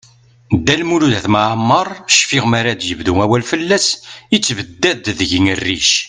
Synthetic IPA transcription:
d̪ælmuluðæθmaʕəmːəɾˤʃfiʁmaɾad̪jəvðumæwælfəlːæsit͡sːvəd̪ːæd̪ðəʝiŋərːḭʃ

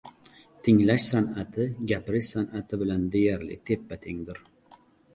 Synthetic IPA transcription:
t̪ʰɪŋlaʃsanat̪ʰɪɡʲapɾɪʃsanat̪ʰɪbɪland̪ejaɾlɪ̰t̪ʰe̞pːat̪ʰeŋd̪ɪɾ

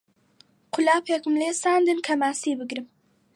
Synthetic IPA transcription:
qʰʊlapʰakumlesand̪ɨnkʰamasibɪɡɾɪm

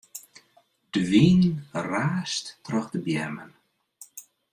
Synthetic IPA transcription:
d̥ʋiːnraːstːrɔxdəbjɛmə̰n

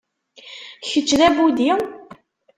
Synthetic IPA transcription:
çət͡ʃːðæbud̪i

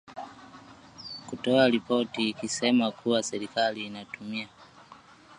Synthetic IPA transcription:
kutɔaɾipɔtiːkisɛmakʰuwasɛɾikaliːnatumia

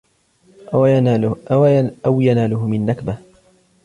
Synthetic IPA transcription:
awjanaːlʊhʊmɪnːakbah

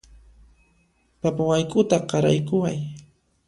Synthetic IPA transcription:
papawajkʼʊt̪aqɑɾa̰jkʊwaj

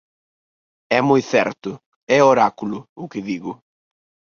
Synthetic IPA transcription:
ɛmojθɛɾt̪ʊ | ɛoɾakulʊʊkɪðiɣʊ

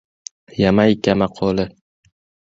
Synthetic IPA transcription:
jamajkʲamaqʰolɪ

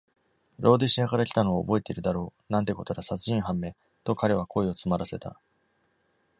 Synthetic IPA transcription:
ɾʔo̞ːd̪eɕiakaɾakʲi̥t̪ano̞ːbo̞e̞t̪e̞iɾɯ̟d̪aɾo̞ːnãnt̪e̞ko̞t̪o̞ɾasat͡sɨĩɰɦãmːe̞ː | t̪o̞kaɾe̞β̞akʰo̞eo̞t͡sɨmaɾase̞t̪a̰

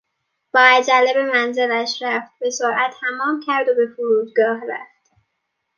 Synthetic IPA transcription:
b̥ɒːæd͡ʒælːebe̞mænze̞læʃɾæft̪̚be̞soɾʔæt̪ʰːhæmɒːmcʰæɾd̪obe̞foɾuːd̪ɡɒːɦɾæ̰ft̪

